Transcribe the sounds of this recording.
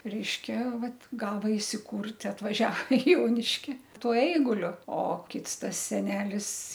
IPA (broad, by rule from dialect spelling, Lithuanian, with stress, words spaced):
ˈrʲɛɪʃʲkʲɛ ˈʋɐt ˈɡɑːʋɐ ɪsʲɪˈkʊrʲtʲ ɐtʋɐˈʒʲɛ ɪ ˈjoːnʲɪʃʲkʲɪ ˈtuɔ ˈɛɪɡʊlʲʊ oː ˈkʲɪts ˈtɐs sʲɛˈnʲæːlʲɪs